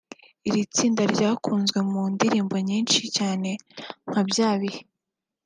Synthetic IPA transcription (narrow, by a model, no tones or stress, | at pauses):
iɾit͡siːndaɾɟaːkuːnzɡwe̞mundiɾiːmbo̞ɲiːnʃicaːne̞ŋ̥habjaːβihe